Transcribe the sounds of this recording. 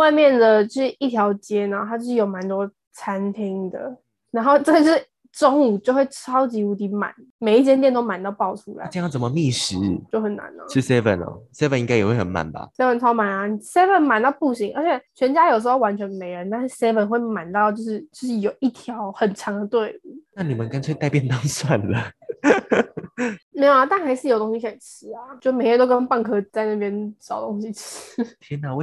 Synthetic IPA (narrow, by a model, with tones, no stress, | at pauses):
wa˥˧ɪmjɛ˥˩nd̪ə˨t͡ɕjo˥˧ʊʂɻ̩˥˩ʔi˥˩t̪ʰjɑ˧˥ʊt͡ɕjɛ˦˥nə˨t̪ʰa˧˥t͡ɕo˥ʊʂʂɻ̩˥˩jo˨˩ʊma˧˦nt̪wɔ˥ | t͡sʰa˦˥nt̪ʰi˥ŋd̪ə̰˨ | na˧˥nxo˥˧ʊʈ͡ʂə˥˧˥ʂɻ̩˥˩ | ʈ͡ʂo˥ŋu˨˩t͡ɕjo˥˧ʊxwe˥˩ɪʈ͡ʂʰɑ˥ʊt͡ɕi˧˥u˧˥t̪i˧˥ma̰˨˩˦n | me˨˩ɪi˥˩t͡ɕjɛ˥nt̪jnt̪o˥ʊma˨nt̪ɑ˥˧ʊpɑ˥˩ʊʈ͡ʂʰu˥la̰˨˧˦ə˥˧jɑ˥˩ŋt͡sə˨˩mə˦mi˥˩ʂɻ̩˧˦t͡ɕjo˥˩ʊxə˨˩nːa̰˧˦nə̰˧˦ʈ͡ʂ̩ʰ˥sɛ˥fə̰˨˩nɔ̰˨˩se˥fə˨ni˧˥ŋka˥ɪjɛ˨˩we˥˩xə˨˩nma̰˨˩nba̰˨˩sɛ˥fə˨˩nt͡sʰɑ˥ʊma˨˩na˨sɛ˥fə˨˩nma˨˩nt̪ɑ˥˧ʊpu˥˩ɕi˧˥ŋʔə˞˧˥t͡ɕʰjɛ˨˩˦t͡ɕʰɥɛ˧˥nt͡ɕja˥jo˨˩ʊʂ̬̩˧˥o˥˩wa˧˥nt͡ɕʰɥɛ˧˥nme˧˥ɪɻə˧˦nt̪a˥˧nʂɻ̩˥˩sɛ˥fə˨nxwe˥˩ɪma˨˩˦nt̪ɑ˥˧ʊt͡ɕjo˥˧ʊʂɻ̩˥˩t͡ɕo˥˧˥ʂ̩˥˩jo˨˩ʊʔi˥˩t̪ʰjɑ˧˥ʊxə˨˩nʈ͡ʂʰɑ˧˥ŋd̪ə˨˧t̪we˥˩ɪ˨˩na˥˩˨ni˨˩mə˨˦nka˥t͡sʰwe˥˧ɪt̪a˥˧ɪpjɛ˥˧nt̪ɑ˥ŋswa˥˨˩nlə˩ | me˧˥jo˨˩˨t̪a˥˩nxa˧˥ɪʂɻ̩˥˩jo˨˩ʊt̪o˥ŋɕi˧ɕjɛ˨˩nʈ͡ʂ̩ʰ˥a˨˧t͡ɕo˥˧˩m˨˩ɪɻə˧nt̪o˥ʊkə˥npa˥˩ŋkʰɤ˥t͡sa˥˧ɪna˥˩pjɛ˥nsɑ˨˩ʊt̪o˥ŋɕi˧ʈ͡ʂ̩ʰ˥t̪ʰjɛ˥nə˨˩w